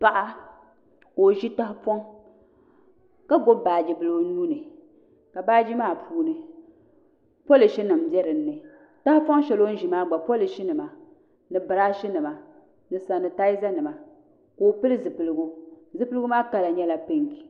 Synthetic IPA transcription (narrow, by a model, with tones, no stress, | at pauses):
pa˨ʔa˦ | ko˨ʒi˦ta˦hpɔ˦ŋ | ka˦ɡo˦baː˨d͡ʒi˨bɨ˨lɨ˨˦nuː˦nɨ˨ | ka˨baː˦d͡ʒi˦maː˦˨pʰuː˦nɨ˨ | pɔ˦lɨ˨ʃɛ˦nɨ˨m̩˦bjɛ˦ɾɨ˨n̩ː˦ɨ˨ | ta˦hpɔ˦ŋ˦ʃɛ˨lo˦n̩˦ʒi˨maː˦ɡ͡ba˨pɔ˦lɨ˨ʃi˦nɨ˨ma˨ | nɨ˨bɨ˨ɾaː˦ʃi˦nɨ˨ma˨ | nɨ˨sa˨nɨ˨ta˦ɪ˦za˦nɨ˨ma˨ | koː˨˦pɨ˦lɨ˦zɨ˨pɨ˨lɨ˨ɡu˦zɨ˦pɨ˦lɨ˦ɡu˦maː˦ka˦la˨ɲɛ˦la˨pe˦ŋki˨